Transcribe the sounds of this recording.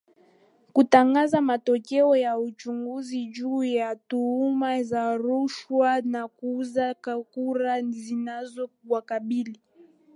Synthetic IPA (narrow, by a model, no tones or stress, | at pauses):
kutaŋɡazamatɔkɛɔjaut͡ʃuŋɡuziʄuːjatuumazaɾuʃwanakuuzakuɾazinazɔk̚uwakaɓili